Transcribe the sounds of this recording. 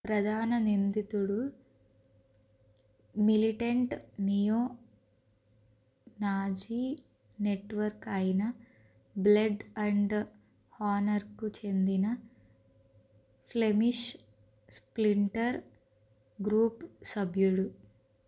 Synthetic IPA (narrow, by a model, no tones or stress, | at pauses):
pɾɐd̪ʱaːnɐnind̪it̪uɽu | miliʈɐɳʈnijoː | naːd͡ʒi | neʈʋɐɾkɐjinɐ | blɐɖɐɳɖ | haːnɐɾkut͡ʃe̞nd̪inɐ | pʰle̞miʃ | spliɳʈɐɾ | ɡɾuːpsɐbʱjuɽu